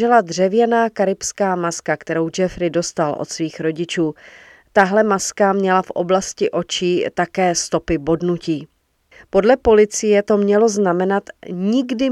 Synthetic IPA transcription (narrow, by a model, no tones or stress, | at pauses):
ɛlad̪r̝ɛvjɛnaːkaɾɪpskaːmaskakt̪ɛɾo̞wd͡ʒɛfɾɪdo̞st̪alʔo̰t̪sviːxɾo̞ɟɪt͡ʃuː | t̪aɦlɛmaskamɲɛlafʔo̞̰blascɪʔo̞t͡ʃiːt̪akɛːst̪o̞pɪbo̞dnuciː | po̞dlɛpo̞lɪt͡sɪjɛt̪o̞mɲɛlo̞znamɛnat̪ɲɪɡdɪ